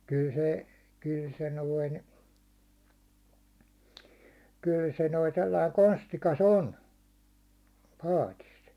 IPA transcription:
kyl se kyl se noin kyl se noi selːɑi konstikɑs on pɑːtis

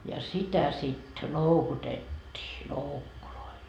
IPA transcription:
jɑ sitæ sit loukutetʲːiː loukːuloil

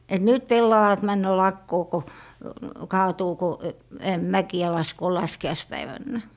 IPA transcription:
et nyt pelːɑʋɑt mænːø lɑkːoː ko kɑːtuː ko mækiæ lɑskoː lɑskiɑispæiʋænːæ

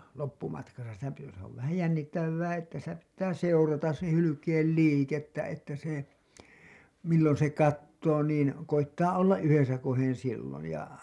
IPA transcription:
lopːumɑtkɑsɑ sitæ pi se oʋ ʋæhæj jænːitːæʋːæː etːæ sitæ pitːæː seurɑtɑs sen hylykeːl liːketːæ etːæ se milːon se kɑtːoː niːn koitːɑʔ ʔolːɑʔ ʔyhesækohen silːoj jɑ

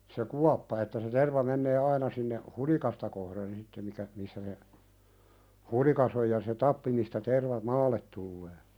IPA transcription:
se kuɑpːɑ etːæ se terʋɑ menːeː ɑinɑ sinːeh hulikɑstɑ kohren sitːe mikæ misːæ se hulikɑs oj jɑ se tɑpːi mistæ terʋɑ mɑːlːet tulːeː

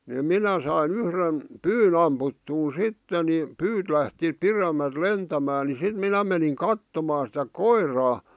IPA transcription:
ni minæ sɑin yhren pyːn ɑmputːuːn sitːe ni pyːt læhti piremæl̆t lentæmæː ni sit minæ meniŋ kɑtːomɑːn sĭtæ koirˑɑː

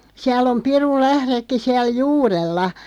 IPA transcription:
siæl om pirulːæhɾekːi siæl juːrelːɑ

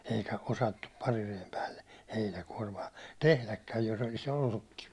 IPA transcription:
eikæ osɑtːup pɑrirejem pæːlːe heinækuɒrmɑː tehlækːæj jos olis olːukːiʋ

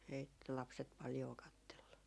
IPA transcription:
ei lɑpset pɑljoː kɑtːelːu

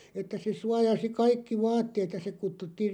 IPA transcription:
etːæ se suɑjɑsi kɑikːi ʋɑːtːeːt jɑ se kutːutːiːr̆

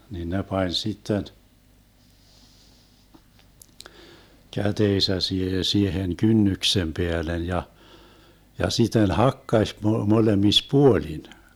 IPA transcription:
nin ne pɑnʲ sitːen kæteːsæ siehe siehen kynːyksem peælen jɑ jɑ sitˑen hɑkːɑsʲ mo molemis puolin

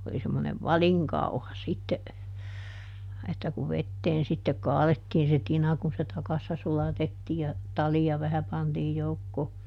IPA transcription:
oli semːoneʋ ʋɑliŋkɑuhɑ sitːe etːæ kuʋ ʋetːeːn sitːe kɑːletːiːn se tinɑ kun se tɑkɑsːɑ sulɑtetːiː jɑ tɑlijɑ ʋæhæ pɑntiːj joukːoː

